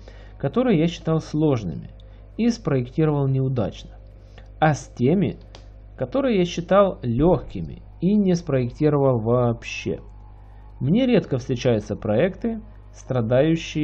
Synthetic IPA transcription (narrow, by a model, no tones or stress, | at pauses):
kɐt̪o̞ɾɨjəjaɕːɪ̥t̪ɑlˠslˠo̞ʐnɨ̰mʲɪ̰ | ispɾəɪktʲiɾəvəlˠnʲɪʊd̪a̰t͡ɕnə | ɐsʲtʲemʲɪ̰ | kɐt̪o̞ɾɨjəjaɕːɪt̪ɑlˠlʲo̞xkʲɪmʲɪ̰ | inʲɪspɾəɪktʲiɾəvəlˠvɐːpɕːḛ | mnʲe̞ɾʲe̞t̪kəfst̪ɾʲɪt͡ɕæjʊt̪səpɾɐɛkt̪ɨ | st̪ɾɐd̪ajʉɕːɪj